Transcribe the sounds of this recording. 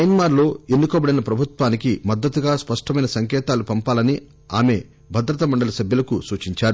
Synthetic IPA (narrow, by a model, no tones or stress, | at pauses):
ɐjnmaːɾlo̞ːenːukɔːbɐɽɐjnɐpɾɐbʱut̪ʋaːnikimɐd̪ːɐt̪ːuɡaːspɐʂʈɐmɐjnɐsɐŋkɛːt̪aːlupɐmpaːlɐni | aːme̞ | bʱɐd̪ɾɐt̪ɐmɐɳɖɐlɐsɐbʱjɐlɐkusuːt͡ʃiɲt͡ʃaːɾu